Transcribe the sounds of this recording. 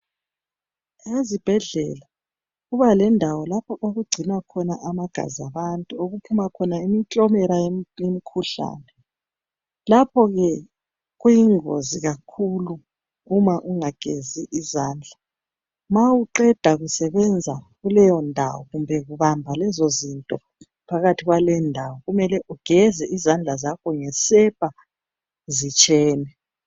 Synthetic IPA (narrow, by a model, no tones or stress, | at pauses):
ezib̥ʱɛɮɛla | ɣuβalɛndʱawɔlapʰɔʔoɣuɡ͡ǀʱinakʰɔnaʔamaɡ̥ʱa̰ziaβantʼuoɣupʰumakʰɔnaimitʼɔmɛɾajjemikʰuɬa̰ːnɛ | lapʰɔɣɛ | ɣwujiŋo̰ziɣakʰuluː | maʔuŋaɡ̥ʱeziʔizaːnd͡ɮʱa | mawuǃɛd̥ʱaɣusɛβɛnd͡zʱaɣulɛjɔndʱa̰wɔɣumbʱɛɣuβambʱalɛzozintʼɔ | pʰaɣatʰiɣwalɛndʱawɔɣumɛlɛʔuɡ̥ʱɛzɛʔizand͡ɮʱazakʰɔŋɛsɛpʰʼa | zit͡ʃʼɛːnɛ